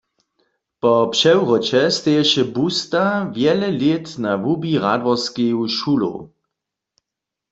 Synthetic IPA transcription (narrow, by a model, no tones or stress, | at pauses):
pɔpʃɛwʁɔt͡ʃɛst̪ɛjɛʃɛbust̪avjɛlɛlet̪navubiʁa̰d̪ʋɔskiwʃulo̰